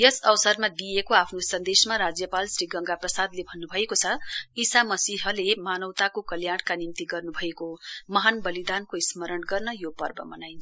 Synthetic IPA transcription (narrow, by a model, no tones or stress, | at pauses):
jʌsʌwsʌrmad̪ijekoapʰnosʌnd̪esmaɾad͡zjʌpalsɾiɡʌŋɡaprʌsad̪lebʱʌnːubʱʌekot͡sʰʌisamʌsiɦʌlemanʌwt̪akokʌljaɽkanimt̪iɡʌrnubʱʌekomʌɦanbʌlid̪ankoismʌɾʌɳɡʌrnʌjopʌrbʌ̰mʌnajnʰ